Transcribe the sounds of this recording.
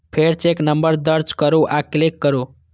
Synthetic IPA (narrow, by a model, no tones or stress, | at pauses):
pʰeɾt͡ʃeknəmbəɾd̪ʌɾd͡ʒkəɾoʔaklikːəɾo